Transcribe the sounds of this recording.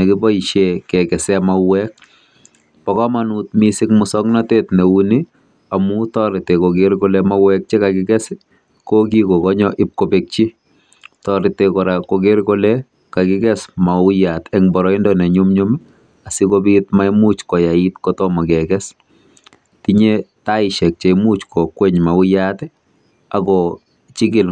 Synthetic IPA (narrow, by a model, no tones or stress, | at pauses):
nɛkɪbɔiʃekɛkɛsɛmawɛk̚ | pɔkɔmanut̚misɪkmʊsɔknatetnɛuni | amutɔɾɪtekokeɾkɔlɛmawɛk̚t͡ʃikakɪkɛs | kokikokɔɲɔʔɪp̚kobek̚t͡ʃi | tɔɾɪtekɔɾakoɡeɾkolɛ | kakɪkɛsmaʊjatɛŋbɔɾɔɪndɔnɛɲʊmɲʊmi | asikobitmaimut͡ʃkɔjaitkɔtɔmakɛkɛs | tiɲetaɪʃɛk̚t͡ʃemut͡ʃkʰɔkːweɲmaʊjatɛ | akɔ | t͡ʃiɡɪl